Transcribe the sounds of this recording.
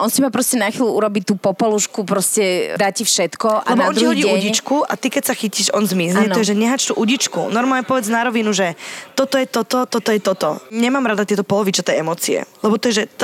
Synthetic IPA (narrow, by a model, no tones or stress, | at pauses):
ʔɔnsimapɾɔscɛnaxʋiːluʔuɾɔbit̪uːpɔpɔluʃkupɾɔscɛd̪acifʃɛt̪kɔʔa̰lɛbɔɔnɾcihɔɟiːuɲɟit͡ʃkua̰t̪ikɛcsaxiciʃɔnzmizɲɛnɔjɛʒɛɲɛɦat͡ʃt̪uʔuɟit͡ʃkṵnɔɾmalɲɛpɔʋɛd͡znaɾɔʋinuʒɛt̪ɔt̪ɔjɛt̪ɔt̪ɔt̪ɔt̪ɔjɛt̪ɔt̪ɔɲɛmaːmɾad̪at̪ɪɛt̪ɔpɔlɔʋit͡ʃat̪ɛjɛmɔːt͡siɛ̰lɛbɔt̪ɔjɛʒɛt̪